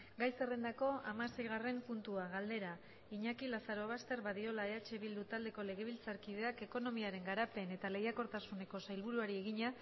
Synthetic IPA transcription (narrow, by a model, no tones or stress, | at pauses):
ɡajse̞re̞nd̪ako̞amase̞jɣ̞are̞mpunt̪uaɣ̞ald̪e̞ɾa | iɲakilasaɾo̞β̞ast̪e̞ɾβaðio̞lae̞at͡ʃe̞βild̪ut̪ald̪e̞ko̞le̞ɣ̞e̞βilt͡saɾkiðe̞ake̞ko̞no̞miaɾe̞ŋɡaɾape̞ne̞t̪ale̞jako̞ɾt̪asune̞ko̞sajlβ̞uɾuaɾie̞ɣiɲa